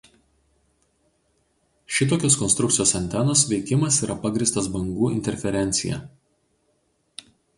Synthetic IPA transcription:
ʃʲɪt̪oːkʲoːskɔnst̪ɾʊkt̪ʲɪjoːsɐnʲt̪ʲɛnoːsʋʲɛɪkʲɪmɐsiːɾʔɐpɐɡɾʲiːˑst̪ɐsbɐŋɡuːɪ̰nʲt̪ʲɛɾʲfʲɛɾʲɛnʲt̪sʲɪjɛ̰

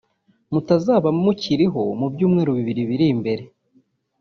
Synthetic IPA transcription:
mutazaːβamuciɾiɦo̞̰mubjuːmŋeːɾuβiβiɾiβiɾimbe̞ɾe̞

